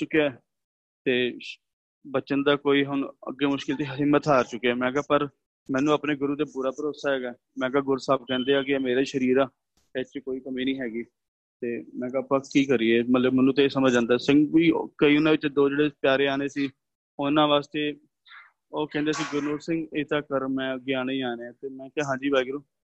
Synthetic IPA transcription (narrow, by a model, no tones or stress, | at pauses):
t͡ʃʊkːeɛː | t̪eː | bət͡ʃənd̪aːkoːiːɦʊɳə̰ɡːeːmʊʃkɪlt̪eːɦɪmːət̪ɦaːɾt͡ʃʊkːeɛːmɛ̃ːkaːpəɾ | mɛ̃ːnũːaːpneːɡʊɾuːt̪eːbʊɾaːpəɾoːsaːɦɛːɡaː | mɛ̃ːkaːɡʊɾsaːb̚kɛ̃ːnd̪eːaːkɪːmeːɾaːʃəɾiːɾaː | ɛt͡ʃkoːiːkəmiːnĩːɦɛːɡiː | t̪eːmɛ̃ːkaːpəkkiːkəɾiːeːmət̪ləbmɛːnũːt̪̬esəməd͡ʒd͡ʒãːnd̪aɛːsɪŋɡʋiːkəiːʊnãːʋɪt͡ʃːd̪oːd͡ʒeːɽeːpjaːɾeːaːneːsiː | ʊnãːʋaːst̪eː | oːkɛ̃ːnd̪eaːs̬iːɡʊɾnoːɾsɪ̃ŋɡeːt̪aːkəɾmɛ̃ːəɡːeːaːneːaːneːãːt̪eːmɛ̃ːkaːɦãːd͡ʒiːbaːiːɡʊɾuː